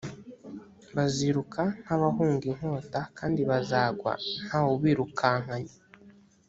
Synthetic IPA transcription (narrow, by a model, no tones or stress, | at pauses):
βaziɾukʰan̥aβahuːŋɡiŋ̥hoːtakaːndiβazaːɡwa̰n̥haβuβiːɾukʰaːŋ̥aɲe